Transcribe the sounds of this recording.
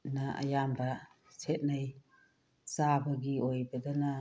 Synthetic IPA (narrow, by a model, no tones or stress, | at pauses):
naɐ̰jambɐ | sʰet̚naj | sabɐɡiojbɐdana